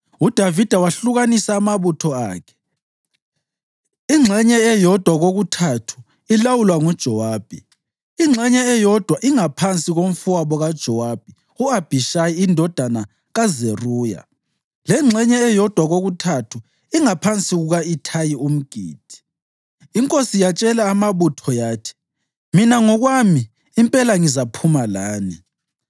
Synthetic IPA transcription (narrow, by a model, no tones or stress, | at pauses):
ud̥ʱavid̥ʱawaɬuɣanisaːmaβutʰɔaːkʰɛ̥ | iŋ͡ǁʱɛɲɛɛjɔd̥ʱwaɣoɣutʰatʰu̥ | ilawulwaŋud̥ʒ̥ʱɔwaːb̥ʱi | iŋ͡ǁʱɛɲɛɛjɔd̥ʱwaʔiŋapʰant͡sʼiɣom̩fuaβɔɣad̥ʒ̥ʱɔwab̥ʱi | uab̥ʱiʃajiindʱɔd̥ʱana | ɣazeruːja̰ | lɛŋ͡ǁʱɛɲɛːjɔd̥ʱwaɣoɣutʰatʰu | iŋapʰant͡sʼiɣuɣaitʰajium̩ɡ̥ʱḭːd̥ʱi̥ | iŋkʼosijat͡ʃʼɛlaːmaβutʰɔjaːtʰi̥ | minaŋɔɣwamiː | mpʼɛlaŋizapʰumalaːni